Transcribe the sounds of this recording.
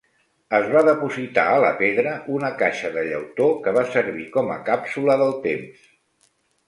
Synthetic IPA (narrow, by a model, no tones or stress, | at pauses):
əzβaðəpuzit̪a̰ələpeðɾəʔunəkaʃəðəʎə̰wt̪okəβasəɾβikɔmə̰kapsuləðəlˠt̪ems